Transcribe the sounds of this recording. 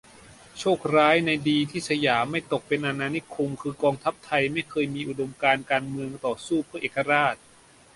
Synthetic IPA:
t͡ɕʰoː˥˩k̚ɾaː˦˥jna˧jdiː˧t̪ʰiː˥˩sa˧jaː˩˦mːa˥˩jt̪o˨˩k̚pe˧nʔa˧naː˧ni˦˥kʰu˧mkʰɯː˧kɔː˧ŋt̪ʰa˦˥p̚t̪ʰa˧jma˥˩jkʰɤː˧jmiː˧ʔu˨˩do˧mkaː˧nkaː˧nmɯ˧əŋt̪ɔː˨˩suː˥˩pʰɯ˥˩ɐʔeː˨˩kːa˧ɾaː˥˩t̪̚

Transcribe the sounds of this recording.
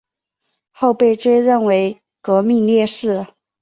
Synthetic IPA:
xo˥˧ʊpe˥˩ɪʈ͡ʂwe˥ɪɻə˥˩nwe˧˥ɪ | kɤ˧˥mi˥˧ljɛ˥˧ʂɻ̩˥˩

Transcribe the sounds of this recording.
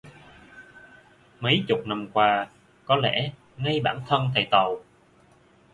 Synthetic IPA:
mə˨˦jt͡ɕʊ˨˩k͡p̚na˧mkwaː˧ | kɔ˨˦lɛ̰˧˩ | ŋa˧jɓaː˧˩nt̪ʰə˧nt̪ʰə˨˩jt̪ə˨˩w

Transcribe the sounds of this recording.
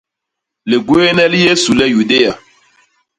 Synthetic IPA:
le˨ɡwe˦nɛ˦li˦je˦su˨lɛ˦ju˨de˦ja˨

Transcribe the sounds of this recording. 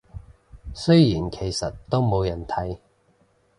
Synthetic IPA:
sɵ˥ɥjiː˨˩nkʰe˨˩jsɐ˨tt̪ːo˥wmo˨˧wjɐ˨˩nt̪ʰɐ˨˥j

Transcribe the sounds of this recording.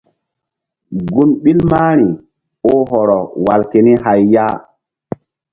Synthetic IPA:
ɡu˦nɓi˦lma˦ɾ̃i˨ | o˦ɦɔ˨ɾɔ˨wa˨lke˨ni˦ɦa˨jːa˦

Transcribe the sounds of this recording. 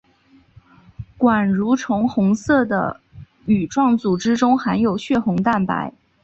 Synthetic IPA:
kwa˨˩nɻu˧˥ʈ͡ʂʰʊ˧˥ŋxʊ˧˥ŋsɤ˥˩d̪ə̰˩ | y˨˩ʈ͡ʂwɑ˥˩ŋt͡su˨˩ʈ͡ʂɻ̩˥ʈ͡ʂʊ˥ŋxa˧˥njo˨˩ʊɕɥɛ˥˩xʊ˧˥ŋt̪a˥˩npa̰˧˥ɪ

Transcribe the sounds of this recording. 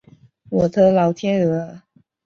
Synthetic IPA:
wɔ˨˩t̪ʰɤ˧˥lɑ˧˥ʊt̪ʰjɛ˥nɤ˧˥

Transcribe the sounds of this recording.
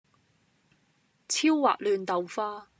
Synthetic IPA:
t͡sʰiː˥wːa̰ː˨k̚lyː˨˧nt̪ɐ˨wfaː˥

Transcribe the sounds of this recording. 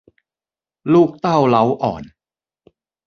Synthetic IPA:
luː˥˩k̚t̪a˥˩wla˦˥wʔɔ̰ː˨˩n

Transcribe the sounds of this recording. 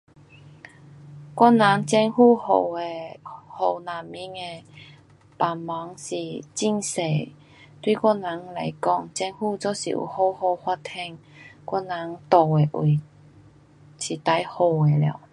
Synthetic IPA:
kwɔ˥na˨˦ŋt͡ɕjɛ˧ŋhu˥˧ho˨˩e˨ho˨˩wna˨˩mi˧˦ŋe˧ | pa˨˩mma˨˧˦ŋsi˨˩t͡ɕi˥˩ŋse˨˩ | t̪wi˥˧kɔ˥nã˨˦ŋla˧˩jkɔ˥˧˨ŋt͡ɕɛ˧ŋhu˥˧t͡so˧˦sḭ˨ṵ˨˩ho˥˧ho˥˧hwa˥t̪ʰɛ˥˧ŋkʷwɔ˥na˨˦ŋt̪ɔ˨e˨ʔwi˨˩ | ɕi˨˩t̪a˧˦jho˨˧˩e˨lja̰˨˩˦w

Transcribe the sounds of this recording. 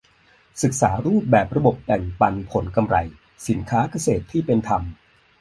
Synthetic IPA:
sɯ˨˩k̚saː˩˦ɾuː˥˩p̚bɛː˨˩p̚ɾa˧bo˨˩p̚t̪ɛ˨˩ŋpa˧npʰo˩˦nka˧mɾa̰˧j | si˩˦nkʰaː˦˥ka˧seː˨˩t̪ʰːiː˥˩pe˧nt̪ʰa˧m

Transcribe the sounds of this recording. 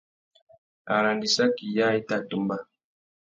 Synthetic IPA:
a˨la˨ndi˨sa˦ki˨ja˦e˦ta˦˨tu˨mba˦

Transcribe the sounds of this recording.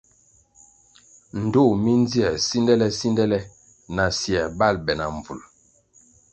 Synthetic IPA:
n̩˨do˦˨mi˦n˦d͡zi˦ɛ˨si˦ndɛ˦lɛ˦si˦ndɛ˦lɛ˦ | na˨sjɛ˨ba˦˨lbɛ˨na̰˨ɱ˨vṵ˨l

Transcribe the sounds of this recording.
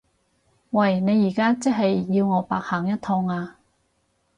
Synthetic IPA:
wɐ˨˩jne˨˧jːiː˨˩kaː˥t͡si˥ɦɐ˨jːiː˧wŋɔː˨˧pa̰ː˨k̚haː˨˩ŋjɐ˥t̪̚ʰɔː˧ŋaː˧

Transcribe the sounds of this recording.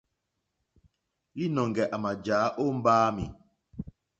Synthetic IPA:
li˦nɔ˨ŋɡɛ˨ʔa˨ma˨d͡ʒaː˨˦ʔo˦m̩˦baː˦mḭ˨

